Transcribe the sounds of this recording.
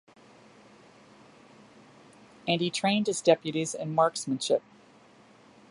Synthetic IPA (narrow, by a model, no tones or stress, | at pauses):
ɨ̃nitʰɹ̥ẽɪ̃nd̚ɨzdɛpjɨɾizɪ̃nmɑɹksmɨ̃nʃɪp̚